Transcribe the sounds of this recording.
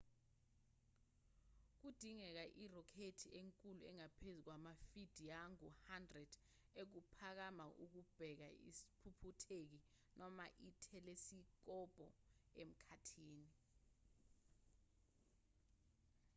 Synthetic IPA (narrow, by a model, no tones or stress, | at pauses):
k̬ud̥ʱiŋɛk̬aʔirɔkʰetʰieŋkʼuluɛ̰ŋapʰezuk̬wamafid̥ʱijaŋuhandrɛd̥ | ek̬upʰak̬amaʔuk̬ub̥ʱɛk̬aḭsi̥pʰupʰutʰek̬i | nʔɔma̰ʔitʰɛlesik̬ɔb̥ʱɔem̩kʰatʰiːni